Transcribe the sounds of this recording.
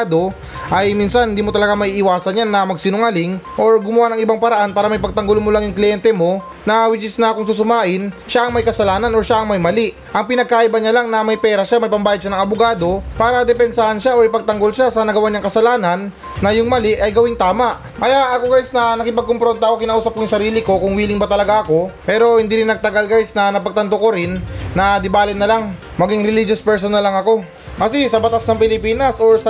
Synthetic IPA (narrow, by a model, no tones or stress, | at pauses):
d̪o̞ | ʔɐjminsɐnhɪnd̪iːmot̪ɐlɐɡamɐʔiːʔɪwaːsɐnjanːɐmɐɡsinʊŋalɪŋʔo̞ɹɡʊmʊwanɐŋɪbaŋpɐɾɐʔanpaːɾɐmɐjpɐɡ̚t̪ɐŋɡolmolaŋjʊŋklɪjɛnt̪ɛmo̞ | nɐwɪd͡ʒɪsnɐkʊŋsusʊmaːʔɪnʃaʔɐŋmɐjkɐsɐlaːnɐno̞ɹʃaɐŋmɐjmɐliʔ | ʔɐŋpɪnɐɡ̚kaːʔibɐɲalaŋnɐmɐjpɛːɾɐʃamɐjpɐmbaːjɐd̪ʃanɐŋɐbʊɡaːd̪o̞paːɾɐd̪ɛpɛnsahɐnʃaʔoɹɪpɐɡ̚t̪ɐŋɡolʃasɐnɐɡɐwaɲaŋkɐsɐlaːnɐnː | ɐjʊŋmɐlɪʔɐjɡɐwɪŋt̪aːmaʔ | kɐjaʔɐkoɡajsnɐnɐkɪpɐɡ̚kompɾont̪ɐʔkokɪnaʔuːsɐp̚kojʊŋsɐɾiːlɪko̞kʊŋwiːlɪŋbɐt̪ɐlɐɡaʔɐko̞pɛːɾo̞hɪnd̪iːɾɪnːɐɡ̚t̪ɐɡalɡajsnɐnɐpɐɡ̚t̪ɐnt̪okoɾɪnːɐd̪ɪbaːlɪnɐlaŋ | mɐɡiŋɾɪlid͡ʒospɛɹsonɐlɐŋɐko̞ | kɐsɛsɐbɐt̪asnɐŋpɪlɪpiːnɐsoɹsɐ